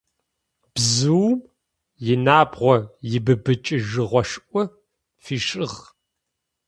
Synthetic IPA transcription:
b̥zɨwm | jɪnaːbʁʷɔjɪbɨbɨt͡ʃʼɨʒɨʁʷɔʂʔʷɔ | fiːʂʼɨʁ

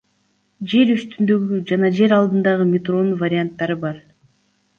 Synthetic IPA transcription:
d͡ʒe̞ɾyst̪ynd̪øɡyd͡ʒɑnɑd͡ʒe̞ɾɑlˠd̪ɯnd̪ɑʁɯmʲɪt̪ro̞nvaɾʲɪant̪ːɑɾɯbɑɾ

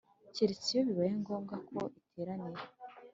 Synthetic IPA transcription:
ceɾet͡sijoβiβajeŋɡoːmɡako̰ʔitʰeːɾaniɾe

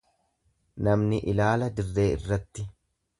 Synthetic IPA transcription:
nɐmnɪʔɪlaːlɐd̪ɪrːe̞ːɪ̰rːɐt̪ːɪ

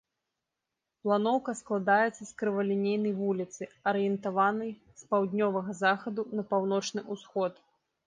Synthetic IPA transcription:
plˠanɔwkɐsklˠad̪ajɛt̪sːɐskɾɨvɐlʲinʲejnɐjvulʲit̪sɨɐɾɨjɛnt̪avanɐj | spawd̪ʲnʲɔvɐɣɐzaxɐd̪unɐpawn̪ɔt͡ʂnɨʔusxɔt̪

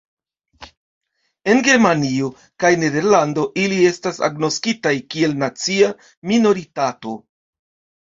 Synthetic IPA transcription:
e̞nɡe̞ɾmanio̞ | kajne̞de̞ɾlando̞ʔilie̞stasa̰ɡno̞skitajkie̞lnat͡sia | mino̞ɾitato̞

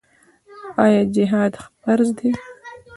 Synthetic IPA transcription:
aːjaːd͡ʒiɦaːd̪χpɐɾzd̪i

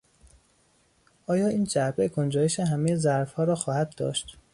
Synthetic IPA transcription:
ʔɒːjɒːiːnd͡ʒæɾbekʰond͡ʒɒːjeʃeɦæmejezæɾfhɒːɾɒːxɒːhæd̪̚d̪ɒ̰ːʃt̪

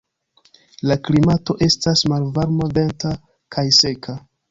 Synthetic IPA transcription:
laklimato̞ʔe̞stasmalvaɾmave̞nta | kʰajse̞kʰa

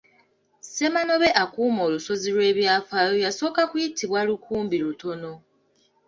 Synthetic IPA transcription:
se̞mano̞βeʔakuːmo̞ːluso̞zilwe̞ːβjafaːjojaso̞ːkakwitʰiβwalukʰuːmbiɾuto̞no̞

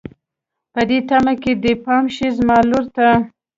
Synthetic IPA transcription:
pəd̪et̪amaked̪əpɑmʃizmɑloɾt̪a

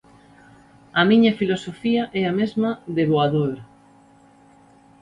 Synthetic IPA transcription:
ɐmiɲɐfilosofiɐʔɛamezmɐðeβoaðoɾ

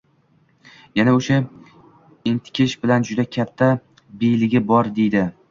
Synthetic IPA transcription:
janaoʃa | ent̪ʰɪ̥kʲʰɪʃbɪland͡ʒʊd̪akʲʰat̪ʰːa | bejlɪɡʲɪbɒɾd̪e̞jd̪ɪ

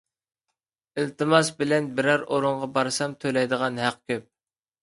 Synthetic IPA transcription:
ɪlt̪ɨmɑsbɪlɛnbɪɾɛɾoɾʊɴʁɑbɑɾsɑmt̪ʰølɛjd̪əʁɑnɦæq̚kʲøp̚

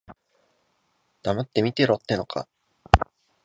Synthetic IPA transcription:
d̪̥amat̪ːe̞mʲit̪e̞ɾot̪ːe̞no̞kʰa̰

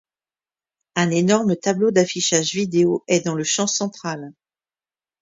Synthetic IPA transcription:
ɛ̃nenɔʁmət̪ablod̪afiʃaʒvid̪eoɛd̪ɑ̃ləʃɑ̃sɑ̃t̪χal

